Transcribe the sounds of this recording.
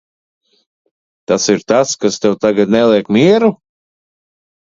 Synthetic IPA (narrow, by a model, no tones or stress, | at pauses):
t̪asiɾt̪askast̪ɛwt̪aɡat̪nɛlˠiɛkmʲiɛɾu